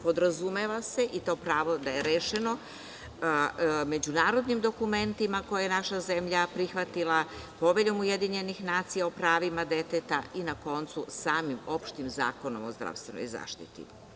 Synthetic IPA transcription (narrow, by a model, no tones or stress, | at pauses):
po̞d̪ɾazumeʋase̞ʔit̪o̞ːpɾaːʋo̞d̪ajeɾeːʃeno̞ | me̞d͡ʑunaːɾo̞d̪nimd̪o̞kume̞nt̪imakojajenaʃaze̞mʎapɾixʋat̪ilˠapo̞ʋeʎo̞muje̞d̪iɲe̞nixnaːt̪sijaopɾaːʋimad̪e̞t̪et̪ainako̞nt̪susaːmimo̞pʃt̪imza̰ːko̞no̞̰mozd̪ɾa̰ʋst̪ʋeno̰jiza̰ːʃt̪ḭt̪ḭ